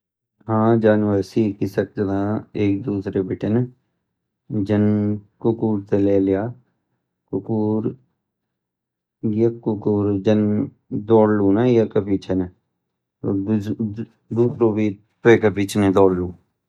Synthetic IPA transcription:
ɦãːd͡ʒaːnʋəɾsiːkisək̚d͡ʒəd̪aːeːk̚d̪uːsɾebɪʈen | d͡ʒənkʊkuːɾt̪eleːlɪjaː | kʊkuːɾ | jəkʊkuːɾd͡ʒən | d̪ɔːɾluːnajəkəpit͡ʃʰən | oː | d̪uːsɾoːbiː | peːkəpit͡ʃʰned̪ɔːɾluː

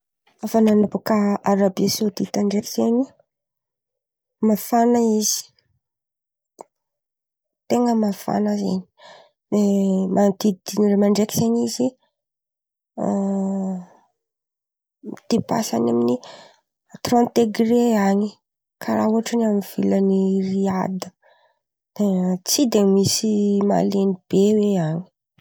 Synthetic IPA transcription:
afananabukaaɾabosud̪it̪aɳɖ͡ʐeki̥z̥eni | mafanaiz̥i̥ | t̪eŋɡəmafa̰nəzḛni̥ | nemad̪id̪inremaɳɖ͡ʐekizenizi | mit̪epa̰sa̰namini | t̪ront̪eɡreaɲi | kʰaɾaɦuaʈ͡ʂanamiv̥iləniriad̪ə | d̪̥et͡sid̪emisima̰lenib̥eweaɲi̥

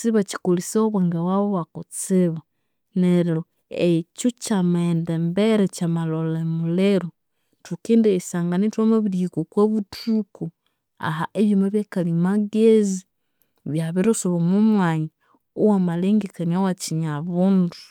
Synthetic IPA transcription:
siβaci̥kulisoβweːŋɡewaβoβakut͡siβa | neɾlo | ecut͡ʃamendembeɾecamalolemuleɾu | tukiːndesaːŋɡanitwomaβiɾikukweβutuku | a̰ɦa̰ʔeβjumaβjekalimaɡezi | βjaβiɾosuβomumwaɲi | uwamaleŋɡekaniawat͡ʃiɲaβundu

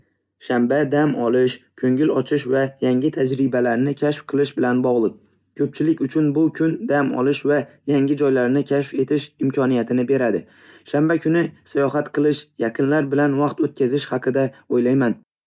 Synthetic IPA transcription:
ʃambad̪amɒlˠɪʃkʲʰɵŋɪlɒt͡ʃʰɪʃvajaŋɪt̪ʰad͡ʒɾɪbalaɾnɪkʲʰaʃfqʰɨlˠɪʃbɪlanbɒʁlˠɨq̚ | kʲʰɵp̚t͡ʃʰɪlɪkʲʊt͡ʃʰʊnbʊkʲʰʊnd̪amɒ̰lˠɪʃvajaŋɪd͡ʒɒjlaɾnɪkʲʰaʃfe̞t̪ʰɪʃɪmkʰʲɒnijat̪ʰɪnɪbe̞ɾad̪ɪ | ʃambakʲʰʊnɪsajɒɦat̪qʰɨlˠɪʃjaqʰɨnlaɾbɪlanvɑqt̪ot̪̚kʲazɪʃhaqʰɨd̪aojlajman

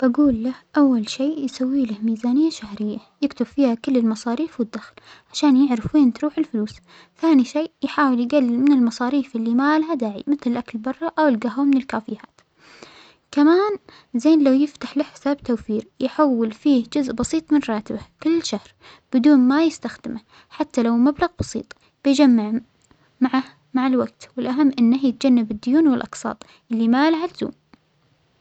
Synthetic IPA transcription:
b̥aɡuːlːahʔawːalʃeːjsawːiːlɪhmiːzaːnɪjːaʃahɾɪjːajɪkt̪ʊbfiːhakɪlːɪlmɑsˤɑːɾiːfwɪd̪ːaxlʕaʃaːnjɪʕɾɪfwiːnt̪ɾuːħɪlfʊluːs | θaːniʃeːʔjħaːwɪljɪɡalːɪlmɪnɪlmɑsˤɑːɾiːfʔɪlːimaːlɦad̪aːʕḭmɪθlɪlʔaklbɑrˤːɑʔawɪlɡaɦwamɪnɪlkaːfɪjaːt̪ | kamaːn | zeːnlawjɪft̪aħlɪħɪsaːbt̪awfiːɾjħawːɪlfiːhd͡ʒʊzʔbɑsˤiːt̪ˤmɪnɾˤɑːt̪ɪbahkɪlːʃahɾ | b̥ɪd̪uːnmajɪst̪axd̪ɪma | ħat̪ːalawmablaɣbɑsˤḭːt̪ˤ | b̥ɪjd͡ʒamːaʕ | maʕah | maʕalwaɡ̚t̪wɪlʔaɦamːʔɪnːahjɪt̪̚d͡ʒanːabɪd̪ːʊjuːnwɪlʔɑqsˤɑ̰ːt̪ˤ | ʔɪlːimaalhalzṵːm

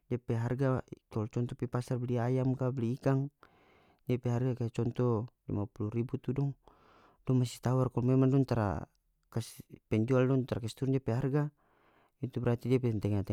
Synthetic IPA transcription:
d͡ʒapɛɦarɡakalt͡ʃɔnt̪ɔpipasarbliajamkabliːkaŋ | d͡ʒapɛɦarɡakaat͡ʃɔnt̪ɔlḭmapuluɾibut̪udɔŋ | dɔmasi̥t̪awarkalɔmɛmaŋdɔŋt̪aɾa̰ | kaspɛɲd͡ʒualdɔŋt̪aɾakast̪uɾd͡ʒapɛɦarɡa | it̪ubɛɾat̪idiapɛɛnt̪ɛŋat̪ɛ

